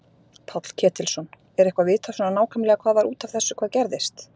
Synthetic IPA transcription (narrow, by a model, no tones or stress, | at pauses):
pʰawt̪l̥cʰɛːt̪ɪlsɔn | ɛɾɛhkvavɪːt̪ʰasɔnanaːwkʰamlɛɣakʰvaːðvaɾuːt̪avθɛsːʏkʰvaːðcɛɾðɪst̪